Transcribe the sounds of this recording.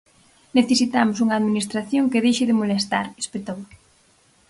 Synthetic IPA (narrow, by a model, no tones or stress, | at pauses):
neθesit̪amʊsuŋaːðminist̪ɾaθjoŋkeðejʃɪðɪmolest̪aɾespet̪ow